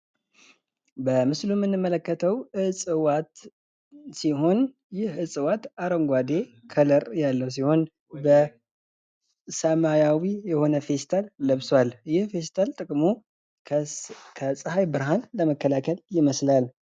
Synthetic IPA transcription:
bəmɨslumːɨnːɨmːələkːət̪ʰəwɨsʼɨwat̪ | siɦo̞n | jɪhɨsʼɨwat̪aɾəŋɡʷad̪e̞kʰələɾjalːəws̬iho̞n | bə | səmajawijɛho̞nəfe̞st̪ʰalːəβswaljɪhfe̞st̪ʰalt̪ʼɨkʼmu | kʰəsʼɨhajbɨɾɦanləməkːəlakʰəljɪməslal

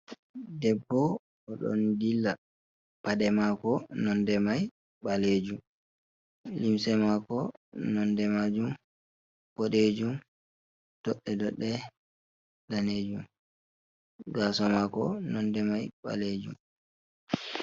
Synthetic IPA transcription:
dɛbːɔ | ɔɗɔ̰ndilːa | paɗɛmakɔnɔndɛmaj | ɓaled͡ʒum | limsɛmakɔnɔndɛmad͡ʒum | boɗed͡ʒum | d̥ɔɗːɛdɔɗːɛ | daned͡ʒum | ɡaːsɔmakɔnɔndɛmajɓa̰led͡ʒṵm

